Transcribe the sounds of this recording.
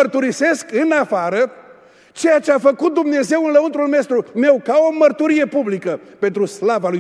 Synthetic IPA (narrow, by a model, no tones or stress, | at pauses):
ərt̪uɾise̞skɨnafaɾə | t͡ʃe̞jat͡ʃe̞afəkut̪̚d̪umne̞ze̞wɨnləunt̪ɾulmest̪ɾunewkao̞mərt̪uɾije̞publikəpe̞nt̪ɾuslavaluj